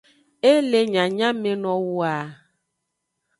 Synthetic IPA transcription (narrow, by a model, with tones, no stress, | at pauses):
e˦le˨ɲã˨ɲã˦mẽ˨nɔ̃˨wu˦a˨